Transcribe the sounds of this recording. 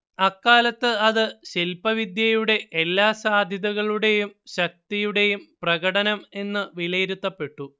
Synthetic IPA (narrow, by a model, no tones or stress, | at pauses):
ɐkːaːlɐt̪ːɨɐðɨɕelpɐʋid̪jɐjuɽe̞ʔelːaːsaːd̪ʱjɐðɐɣɐɭuɽe̞jumɕɐk̚t̪ijuɽe̞jumprɐɣɐɽɐnɐme̞nːɨʋilɐjiɾut̪ːɐpːe̞ʈːu